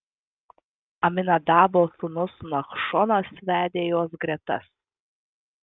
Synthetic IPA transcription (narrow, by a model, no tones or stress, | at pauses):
ɐmʲɪnɐd̪ɑːboːsʊnʊsmɐxʃɔnɐsʋʲæːd̪ʲeːjoːs̬ɡɾʲɛt̪ɐ̰s